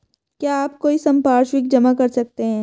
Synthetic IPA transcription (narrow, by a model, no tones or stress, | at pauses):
kjaːaːp̚koːisɐ̃mpaːɾʃwɪk̚d͡ʒɐmakɐɾsɐk̚t̪eɦɛ̃ː